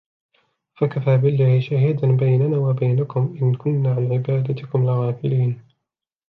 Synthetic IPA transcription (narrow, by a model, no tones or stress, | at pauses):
fakafaːbɪlːaːhɪʃaːɦɪd̪anbajnanaːwabajnakʊmʔɪnkʊnːaːʕanʕɪbaːd̪at̪ɪkʊmlɪɣɑːfɪ̰liːn